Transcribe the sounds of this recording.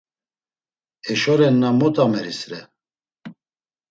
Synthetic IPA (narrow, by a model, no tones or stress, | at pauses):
ɛʃɔɾɛnːamɔt̪ʼamɛɾisɾɛ